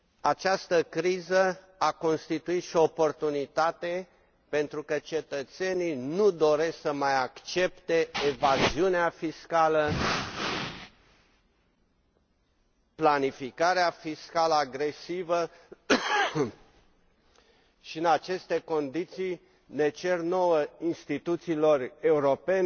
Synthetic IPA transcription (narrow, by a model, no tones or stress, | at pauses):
at͡ʃast̪əkɾizə | ako̞nst̪it̪uit̪ʃioːpo̞rt̪unit̪at̪e̞ | pe̞nt̪ɾukət͡ʃe̞t̪ət̪se̞nijnud̪o̞ɾe̞ssəmajakt͡ʃe̞pt̪e̞ːvaziuneafiskalə | planifikaɾeafiskaləaɡɾe̞sivə | ʃiɨnat͡ʃe̞st̪e̞ko̞nd̪it̪sij | ne̞t͡ʃe̞rno̞wəinst̪it̪ut̪siːlo̞re̞uɾo̞pe̞n